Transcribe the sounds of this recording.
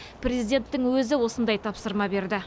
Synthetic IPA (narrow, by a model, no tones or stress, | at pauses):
pʰrʲe̞zijd̪ʲe̞nt̪ːɪŋwɵzɪwo̞sənd̪ɑjt̪ʰɑpsəɾmɑbe̞ɾd̪ɪ